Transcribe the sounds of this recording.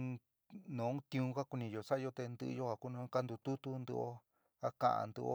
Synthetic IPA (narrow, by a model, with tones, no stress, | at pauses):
nõ˨˦ũ˦t̪ĩ˧ũ˧ka˦ku˧nĩ˧jo˨sa˦˧jo˧t̪e˧nd̪ɨ˧ʔjo˦a˨˧ku˦nã˧˦ka˦nd̪u˧t̪u˦t̪u˦˧nd̪ṵ˧ʔo˦ | a˦kã̰˧˨ʔa̰˧nd̪ṵ˧ʔo̰˦